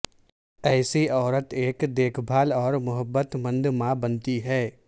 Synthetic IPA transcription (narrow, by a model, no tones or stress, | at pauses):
ɛːsiɔːɾət̪eːkd̪eːkʰbʱaːlɔːɾmʊɦəbːət̪mə̃nd̪ʱmãbənt̪iɦɛː